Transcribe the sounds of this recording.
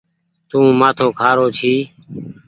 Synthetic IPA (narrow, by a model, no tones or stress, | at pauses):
t̪ũːmaːt̪ʰõːkʰaːɾoːt͡ʃʰiː